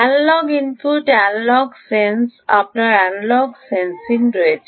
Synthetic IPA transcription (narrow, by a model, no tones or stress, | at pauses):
alːɔɡinpuʈɛlːɔɡsensa̰p̚naɾallɔɡsensinɾed͡ʒ